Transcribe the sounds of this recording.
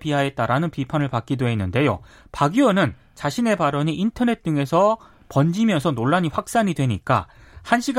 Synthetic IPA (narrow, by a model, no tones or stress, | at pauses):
piɦae̞t̚t͈aɾanɯnpipʰanɯɭpak͈̚idoɦenːɯnde̞jo̰paɡiʌnɯn | t͡ɕaɕʰine̞paɾʌɲiʔintʰʌne̞t̚t͈ɯŋe̞sʰʌ | pʌnd͡ʑimjʌnsʰʌnoɭːaɲiɸwak̚s͈aɲidwe̞ɲik͈a̰ | hanɕʰiɡ